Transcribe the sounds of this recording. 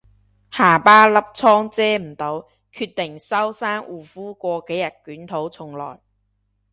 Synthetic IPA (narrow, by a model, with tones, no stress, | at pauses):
haː˨˩paː˥lɐ˥p̚t͡sʰɔː˥ŋt͡sɛː˥m̩˨˩t̪o˨˥w | kʰyː˧t̪ɪ˨˩ŋsɐ˥wsaː˥ŋʔuː˨˩fuː˥kʷɔː˧ke˨˥jɐ˨˩t̚kyː˨˥nt̪ʰo˨˥wt͡sʰʊ˨˩ŋlɔ̰ː˨˩j